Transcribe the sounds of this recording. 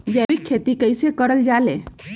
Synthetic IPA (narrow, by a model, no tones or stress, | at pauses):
d͡ʒɛbikʰːet̪ikəɪsekəɾəld͡ʒale